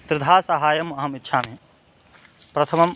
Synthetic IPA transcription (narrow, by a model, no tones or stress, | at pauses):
t̪ɾɪd̪ʱaːsɐɦaːjɐmɐɦɐmitːʃʰaːmeː | pɾɐt̪ʰɐmɐm